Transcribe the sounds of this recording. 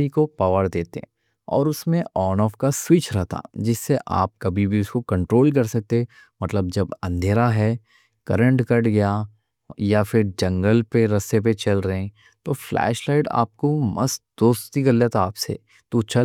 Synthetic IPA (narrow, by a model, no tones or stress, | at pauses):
ikopaːʋəɾd̪eːt̪ẽ | ɔ̰ːɾʊsmẽɔːnɔːfkaswɪt͡ʃɾɛɦt̪ʰa̰d͡ʒɪsːeʔa̰ːp̚kɐbʱibʱiʊskokɐ̃ɳʈɾoːlk̬ɐɾsɐk̚t̪e | mɐt̪ləbd͡ʒɐbɐ̃nd̪ʱeːɾaɦɛ | kɐɾə̃ɳʈkɐʈɡɐja | jafɪɾd͡ʒɐ̃ŋɡəlpeɾɐsep̬et͡ʃɐlɾɐɦɛ̃ | t̪oːflɛ̰ːʃlaːɪʈa̰ːp̚komɐst̪d̪̥oːst̪ikɐɾljat̪ʰaaːpsḛ | t̪ot͡ʃʰɐ